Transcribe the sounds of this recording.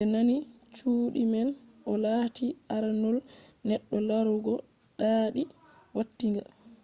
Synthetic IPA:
ɓɛnani | t͡ʃuːɗimɛnʔɔlatiʔaɾanɔlnɛɗːɔlaɾuɡɔ | ɗaɗi | watːiŋɡa̰

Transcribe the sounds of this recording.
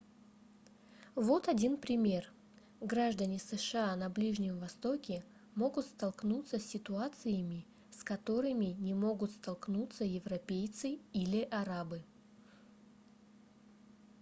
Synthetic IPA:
vo̞t̪ɐdʲinpɾʲɪmʲe̞r | ɡɾaʐd̪ənʲɪsɨʂɨanɐblʲiʐnʲɪmvɐst̪o̞kʲɪ | mo̞ɡʊt̪st̪ɐlˠknut̪səsʲːɪt̪ʊat̪sɨjəmʲɪ | skɐt̪o̞ɾɨmʲɪnʲɪmo̞ɡʊt̪st̪ɐlˠknut̪səjɪvrɐpʲejt̪sɨilʲɪʔɐɾabɨ

